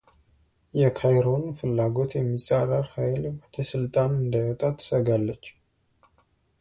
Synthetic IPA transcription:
jɛkʰajɾonfɨlːaɡo̞t̪jɛmːisʼaɾəɾhajlbət̪əsɨlt̪ʼanɨnd̪ajɔt̪ʼat̪ʰːə̥səɡalːət͡ʃː

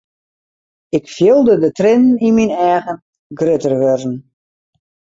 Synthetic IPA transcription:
ɪkfjɪlˠdədətrɪnniminɛːɣən | ɡrɪtərʋørn̩

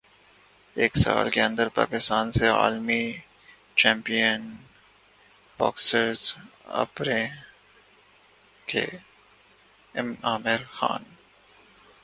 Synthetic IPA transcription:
eːksaːlkeɐ̃nd̪əɾpa̰ːkɪst̪aːnsea̰ːlmi | t͡ʃɛ̃ːmpijən | b̥ɔːksəɾzɐ̰bɾẽ | kʰḛ | ɪmaːmɪɾxa̰ːn

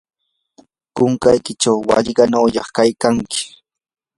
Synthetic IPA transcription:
kʊŋkajkɪt͡ʃawːɑ̰ʎɢɑnawʎɑχkajkaŋkɪ̥

